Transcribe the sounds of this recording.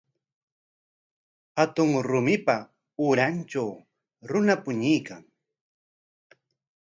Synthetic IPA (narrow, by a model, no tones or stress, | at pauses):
hat̪ʊŋɾʊmɪpa | ʊɾant͡ʃaw | ɾʊnapʊɲɪjkaŋ